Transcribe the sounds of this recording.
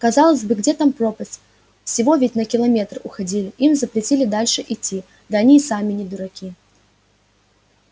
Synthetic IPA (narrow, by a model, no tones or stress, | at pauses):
kɐzalˠəsʲbɨɡdʲet̪ampropəsʲtʲ | fsʲɪvo̞vʲɪtʲnəkʲɪlˠɐmʲet̪rʊxɐdʲilʲɪimzəpɾʲɪtʲilʲɪd̪alʲʂɨʔitʲːi | d̪əɐnʲisamʲɪnʲɪd̪ʊɾakʲi